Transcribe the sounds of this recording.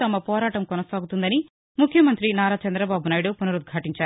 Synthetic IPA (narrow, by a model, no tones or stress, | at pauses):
t̪ɐmɐpɔːɾaːʈɐmkɔnɐsaːɡut̪und̪ɐni | mukʰjɐmɐnt̪ɾinaːɾaːt͡ʃɐnd̪ɾɐbaːbunaːjiɽupunuɾud̪̚ɡʱaʈiɲt͡ʃaːɾu